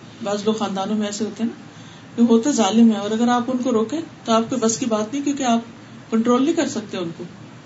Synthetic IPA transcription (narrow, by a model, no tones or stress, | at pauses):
baːzloːɡxaːnd̪aːnõmẽɛːseɦoːt̪eɦɛna | keɦoːt̪eɦɛzaːlɪmɛ̃ɔːɾɐɡəɾaːpʊnkoɾoːkẽːt̪oaːp̚koːibɐskibaːt̪nɐɦĩkjõːkeaːp̚ | kɐ̃ɳʈɾoːlnĩkɐɾsɐk̚t̪eɦɛ̃ʊnko